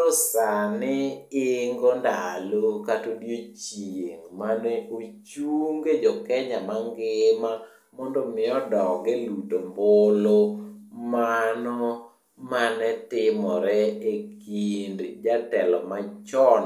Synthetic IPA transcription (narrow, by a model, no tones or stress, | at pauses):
ɔsanɪɪŋɡondalokatodjot͡ʃeŋmanɛot͡ʃuŋɡed͡ʒɔkɛɲamaŋɡɪma | mɔndɔmɪɔdɔɡɛlutombolomanɔ | manɛtɪmɔɾɛekindd͡ʒatɛlɔmat͡ʃɔn